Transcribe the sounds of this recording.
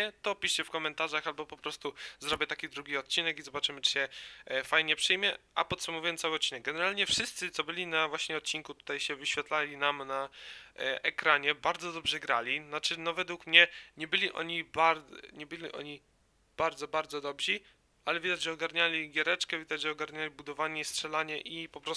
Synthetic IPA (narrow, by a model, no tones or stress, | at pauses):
ɛt̪ɔpʲiʂt͡ɕɛfkɔmɛnt̪aʐaxalbɔpɔpɾɔst̪uzɾɔbʲɛt̪akʲid̪ɾuɡʲiɔt̪̚t͡ɕinɛkizɔbat͡ʂɘmɘt͡ʂɨ̥ɕɛfajɲɛpʂɘjmʲjɛʔa̰pɔt̪sumɔvujɛnt̪sawɘt̪̚t͡ɕinɛɡ̚ɡɛnɛɾalʲɲɛfʂɘst̪sɘt̪sɔbɘlʲinavwaɕɲɛɔt̪̚t͡ɕiŋkut̪u̥t̪ajɕɛvɘɕfʲjɛt̪lalʲinamna | ʔɛkɾaɲɛbaɾd̪zɔd̪ɔbʐɛɡɾalʲinat͡ʂɘnɔvɛd̪wukmɲɛɲɛbɘlʲiʔɔ̰ɲibaɾɲɛbɘlʲiʔɔ̰ɲi | b̥aɾd̪zɔbaɾd̪zɔd̪ɔbʑi | alɛvʲid̪ad͡ʑʐɛɔɡaɾɲalʲiɡʲjɛɾɛt͡ʂkɛvʲid̪ad͡ʑʐɛɔɡaɾɲalʲibud̪ɔvaɲɛistʂɛlaɲɛʔipɔpɾɔ